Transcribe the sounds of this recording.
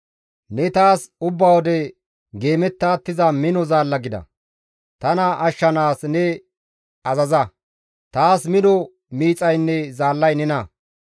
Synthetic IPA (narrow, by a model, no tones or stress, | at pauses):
nɛt̪aːsʊbːɐwɔd̪ɛ | ɡe̞ːmɛt̪ːaːt̪ːɪzɐmɪnɔzaːlːɐɡɪd̪ɐ̰ | t̪ɐnɐʔɐʃːɐnaːsnɛ | ɐzɐzɐ | t̪aːsmɪnɔ | miːt͡sʼɐjnːɛzaːlːɐjnɛnɐ